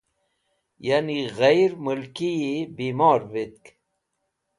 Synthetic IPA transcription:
janiɣajɾmulkiibiːmɑːɾvit̪̚k

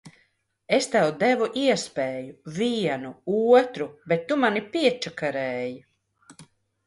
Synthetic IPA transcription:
est̪æwd̪ɛvuʔiɛspeːjuviɛnuuːɔt̪ɾubet̪ːumanipiɛt͡ʃakaɾɛːju

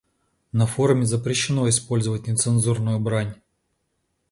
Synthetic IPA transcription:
nɐfo̞ɾʊmʲɪzəpɾʲɪɕːɪno̞ɪspo̞lʲzəvət̚ʲnʲɪt̪sɨnzurnʊjʊbɾanʲ

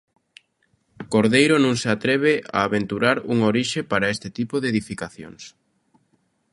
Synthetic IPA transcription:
koɾðejɾonõŋseat̪ɾɛβ̞ea̰ːβent̪uɾaɾuŋoɾiʃepaɾɐest̪ɪt̪ipoðeðifikaθjo̰ŋs

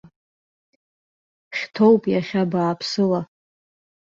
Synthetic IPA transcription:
χʲtʰo̞wpʼjaχʲabaːpʰsɨla

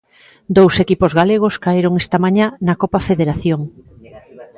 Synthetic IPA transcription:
d̪owsekipozɣaleɣ̞oskaeɾoŋest̪ɐmaɲanɐkopafeðeɾaθjoŋ

